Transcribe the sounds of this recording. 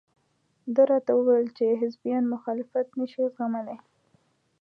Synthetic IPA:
d̪əɾɑt̪awəwajəlt͡ʃeɦɪzbijɑnmʊxɑlɪfat̪naʃiɣaməle

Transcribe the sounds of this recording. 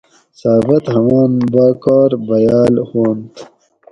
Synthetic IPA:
saːbɐt̪hɐmaːnbaːkoːɾbɐjaːlhoːnt̪

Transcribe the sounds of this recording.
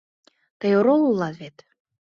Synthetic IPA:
t̪əjoɾolˠulˠːɑt̪vet̪

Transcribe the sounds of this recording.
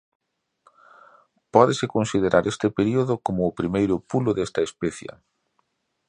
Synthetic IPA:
pɔðesɪkonsið̞eɾʔaɾʔest̪ɪpeɾioðʊkomʊːpɾimejɾʊpulʊðest̪ɐespɛθjɐ̰

